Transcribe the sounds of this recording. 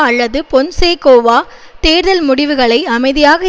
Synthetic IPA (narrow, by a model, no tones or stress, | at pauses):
ɐlːɐðɯpɔnseːkoːʋaːt̪eːɾðɐlmʊɽɪʋɯɣɐɭɐɪɐmɐɪðɪjaːɣɐ